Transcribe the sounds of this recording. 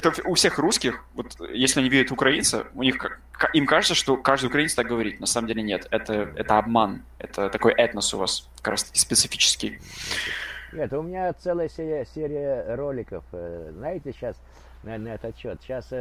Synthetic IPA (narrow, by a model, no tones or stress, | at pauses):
ɛt̪əʊfsʲe̞xruskʲɪxvo̞t̪jesʲlʲɪɐnʲivʲiɾʲət̪ʊkɾɐint̪sɨ̰ʊnʲixkkaʔimkaʐɨt̪səʂt̪o̞kaʐd̪ʊjʊkɾɐinsət̪ak̚ɡəvɐɾʲitʲnɐsaməmdʲelʲɪnʲe̞t̪ɛt̪əɛ̰t̪əɐbman | ɛt̪ʰət̪ɐko̞jʔɛt̪nəsʊ̰vaskɐkɾa̰st̪ə̥kʲɪ̥spʲɪt̪sɨfʲi̥t͡ɕɪ̥skʲɪj | nʲet̪ʊmʲɪnʲat̪sɛlˠəjəsʲeɾʲɪəsʲeɾʲɪjəɾolʲɪkəfznajɪtʲɪɕas | nɐnəɛt̪ət̪ɕo̞t̪ɕas